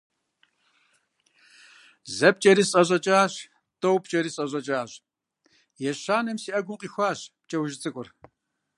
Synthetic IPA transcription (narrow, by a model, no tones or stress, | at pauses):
zɐp̚t͡ʃʼɐɾiːsɕʼɐʑʼɐt͡ʃʼaːɕ | tʼowpt͡ʃʼɐɾiːsʼɐɕʼɐt͡ʃʼaːɕ | jɛɕaːnɐmsiːʔɐɡʷʊmqʼiːxʷaːɕp̚t͡ʃʼɐwʒɪt͡sʼɨkʷʼʊr